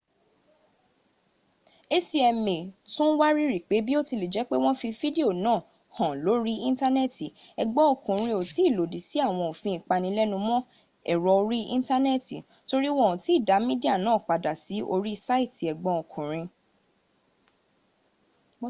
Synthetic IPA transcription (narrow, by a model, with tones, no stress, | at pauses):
e˦si˧ɛ˧mẽ˨tũ˦wa˦ɾi˦ɾi˨k͡pe˨˦bi˦o˦ti˧le˨d͡ʒɛ˨˦k͡pe˦w̃ɔ̃˦fi˧fi˦de˦o˦˨nãː˦˨ | hɔ̃˨lo˨˦ɾi˦ĩ˦ta˦nɛ˦˨ti˨ɛ˨ɡ͡bɔ̃˦o˨kũ˨ɾ̃ĩ˧o˨ti˨˦˨lo˨di˨si˨˦a˦˨w̃ɔ̃˧o˨fĩ˧ĩ˨k͡pa˧nĩ˧˦lɛ˦nũ˧mɔ̃˦ | ɛ˦˨ɾɔ˨˧o˧ɾi˦ʔĩ˦ta˦nɛ˦˨ti˨ | to˧ɾi˦wɔ̃˦˨ũ˨ti˨˦˨da˨˦mĩ˦di˦a˦˨nãː˦˨k͡pa˨da˨si˨˦o̰˧ɾi˦˧sa˦i˦˨ti˨ɛ˨ɡ͡bɔ̃˧o˨kʰũ˨ɾ̃ĩ˧